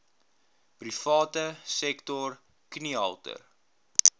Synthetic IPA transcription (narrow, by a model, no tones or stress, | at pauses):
prifɑːtəsɛktɔr | kniɐlˠtə̰r